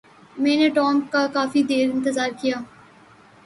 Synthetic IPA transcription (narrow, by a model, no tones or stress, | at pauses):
mɛ̃ːneʈɔːmkakaːfid̪eːɾɪ̃nt̪əzaːɾkijaː